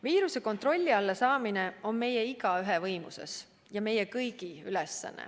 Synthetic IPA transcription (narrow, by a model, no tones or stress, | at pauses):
viːɾuse̞ko̞nt̪ro̞lʲːiɑlːɑsɑːmine̞o̞nme̞jeiɡ̥ɑyɦevɤjmṵse̞̰s | jɑme̞jekɤjɡ̥iylɛsːɑ̰nːḛ